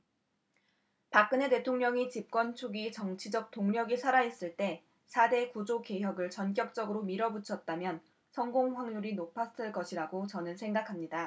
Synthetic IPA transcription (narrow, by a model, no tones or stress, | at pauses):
pak̚k͈ɯne̞te̞tʰoŋɲʌŋit͡ɕip̚k͈wʌnt͡ɕʰuɡit͡ɕʌŋt͡ɕʰid͡ʑʌk̚t͈oŋɲʌɡisʰaɾais͈ɯɭt͈e̞ | sʰade̞kud͡ʑoke̞jʌɡɯɭt͡ɕʌnk̬͈jʌk̚t͡ɕ͈ʌɡɯɾomiɾʌbut͡ɕʰʌt̚t͈amjʌn | sʰʌŋɡoŋɸwaŋɲuɾinopʰas͈ɯɭk͈ʌɕʰiɾaɡot͡ɕʌnɯnsʰe̞ŋɡakʰamɲida